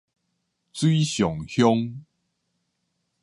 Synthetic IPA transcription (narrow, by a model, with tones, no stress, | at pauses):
t͡swi˦ɕjɔ˨˩ŋhjɔ˦ŋ